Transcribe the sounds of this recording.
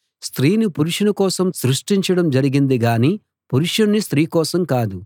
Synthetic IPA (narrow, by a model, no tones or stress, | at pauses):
st̪ɾiːnipuɾuʂɐnɐkɔːsɐmsɾuʂʈiɲt͡ʃɐɽɐmd͡ʒɐɾiɡind̪iɡaːniː | puɾuʂɐnɐnist̪ɾiːkɔːsɐmkaːd̪u